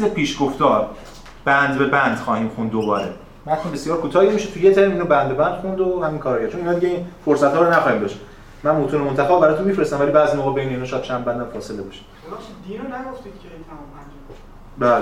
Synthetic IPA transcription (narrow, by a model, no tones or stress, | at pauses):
izepʰiːʃɡoft̪ɒːɾ | b̥ænd̪be̞bænd̪̥xɒːhiːmxund̪ːobɒ̰ːɾḛ | mæt̪ʰunbe̞sijɒːɾkʰot̪ʰɒːhiemiʃet̪ʰujezæɾiːmiːnobænd̪̚be̞bænd̪̥xund̪ohæmiːnkʰɒɾɒjæɾt͡ʃoniːnɒːd̪iɟeiːnfoɾsæt̪hɒːɾonæxɒːhimb̪ɒʃi̥ | mænmot̪ʰuːnemont̪ʰæfebæɾɒːt̪unmifɾest̪æmvælibæːzimoːɣebejneinɔʃɔjæd̪̚t͡ʃʰæmbænd̪æmfɒːse̞lebɒʃi̥ | id̪ionæɡoft̪id̪̥cʰʲet̪ʰæmɔmænd͡ʒ | bæːl